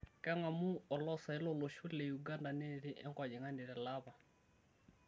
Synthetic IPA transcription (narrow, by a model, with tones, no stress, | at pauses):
kɛ˦ŋa˨mu˦ɔ˨lɔ˦sa˨i˦lɔ˦lɔ˨ʃu˦lɛ˨ju˨ɡa˦nda˨nɛ˦ɾi˦ʔɛ˦ŋkwa˨d͡ʒi˨ŋa˦ndi˨ɾɛ˨la˦βa˨